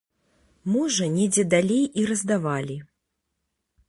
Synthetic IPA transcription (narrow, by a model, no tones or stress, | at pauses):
mɔʐɐnʲɛd͡zʲɛd̪alʲejiɾɐzd̪avalʲi